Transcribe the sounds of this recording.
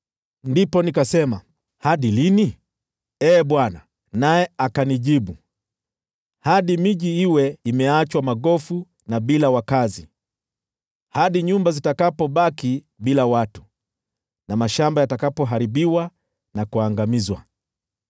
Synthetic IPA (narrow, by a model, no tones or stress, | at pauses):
ndipɔnikasɛma | haɗilini | ɛːɓwana | najɛakaniʄiɓu | haɗimiʄiiwɛimɛat͡ʃwamaɠɔfu | naɓilawakazi | haɗiɲumbazitakapɔɓaki | ɓilawatu̥ | namaʃambajatakapɔɦaɾiɓiwa | nakuaŋɡamizwa̰